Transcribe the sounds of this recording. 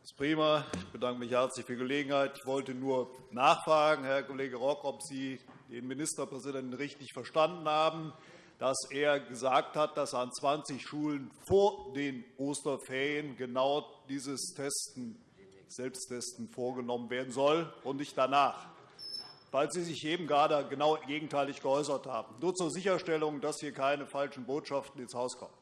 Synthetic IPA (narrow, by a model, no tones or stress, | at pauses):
ɪspʁ̥iːmaɪçb̥ədaŋkəmɪçhɛɐt͡slɪçfyːɐɡəleːɡŋ̩haɪtɪçv̥ɔltənuːɐnaːχfʁ̥aːɡŋ̩hɛɐkoleːɡəʁɔkɔpz̥iː | d̥eːnmɪnɪstɐpʁ̥ɛzidɛntn̩ʁɪçtɪçfɛɐʃtandn̩haːbm̩ | d̥aseːɐɡəzaːk̚that̚d̥asant͡sv̥ant͡sɪçʃuːlənfoːɐdeːnʔoːstɐfɛɐjənɡənaʊd̥iːzəstʰɛstn̩ | z̥ɛlpstʰɛstn̩foːɐɡənɔmənveːɐdn̩zɔlʔʊntnɪçtd̥anaːχ | vaɪlziːzɪçʔeːbm̩ɡʁaːdəɡənaʊɡeːɡŋ̩tʰaɪlɪçɡ̥əʔɔʏs̬ɐthaːbm̩nuːɐt͡suːɐzɪçɐʃtɛlʊŋdashiːɐkʰaɪnəfalʃn̩boːtʃaftn̩ɪnshaʊskʰɔ̰mən